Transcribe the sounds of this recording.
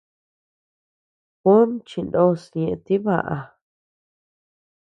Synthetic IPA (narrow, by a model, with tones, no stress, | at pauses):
ko˦nt͡ʃĩ˧nd̪o˦˨sɲẽ˧˨˧t̪i˦βa̰˨ʔa˧